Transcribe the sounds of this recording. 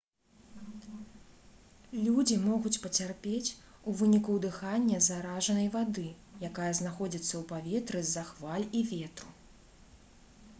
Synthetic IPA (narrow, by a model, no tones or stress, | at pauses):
lʲud͡zʲimɔɣut͡sʲpɐt͡sʲarpʲet͡sʲuvɨnʲikud̪ɨxanʲːɐzaɾaʐɐnɐjvad̪ɨ | jakajɐznaxɔd͡zʲit̪sːɐwpavʲɛt̪ɾɨzaxvalʲivʲɛt̪ɾu